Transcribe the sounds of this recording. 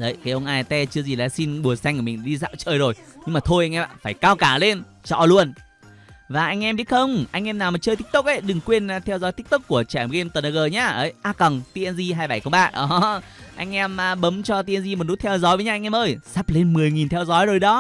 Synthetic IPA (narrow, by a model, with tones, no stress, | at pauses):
zə˨˩jkaː˨˦jʔə˧wŋ͡mʔaː˧˩jt̪ɛ˧t͡ɕɨ˧əzi˨˩laː˨˩si˧nɓu˨˩əsa˧jŋ̟ku˧˩mï˨˩ŋ̟ɗi˧za̰ː˧˨wt͡ɕəː˧˩jzo˨˩jɲɨ˧ŋmaː˨˩t̪ʰo˧jʔa˧jŋʔɛ˧ma̰ː˧˨˩faː˧˩jkaː˧wkaː˧˩le˧n | t͡ɕɔ̰˧˩lu˧ən | vaː˨˩ʔa˧jŋ̟ʔɛ˧mɓi˦˥t̚xə˧wŋ͡mʔa˧jŋ̟ʔɛ˧mnaː˨˩wma˨˩t͡ɕəː˧jt̪i˦˥t̪u˦˥k̚ʔə˨˧˦jɗɨ˨˩ŋkwi˧ən˧t̪ʰɛ˧wzɔ˨˦jt̪ï˦˥k̚t̪ɨ˦˥k̚ːu˧˩ət͡ɕaː˧˩˨mɣe˧mt̪ə˨˩nə˧ɣəː˨˩ɲaː˧ʔə˨˦jʔaː˧kə˨˩ŋt̪i˧ʔɛ˧nzi˧ɦaː˧jɓa˧˩jkə˧wŋ͡mɓaː˧˩ʔɔ˨˦ | ʔa˧jŋ̟ʔɛ˧mː˨˩ɓə˨˦mt͡ɕɔ˧t̪i˧ʔə˧nzi˧m˨˩t̚nu˦˥t̪̚ʰɛ˧wzɔ˨˦jvə˨˦ɲaː˧ŋ̟ʔɛ˧mʔəː˧jsa˦˥p̚le˧nmɨ˨˩əjŋi˨˩nt̪ʰɛ˧wzɔ˨˦jzo˨˩jɗɔ˨˦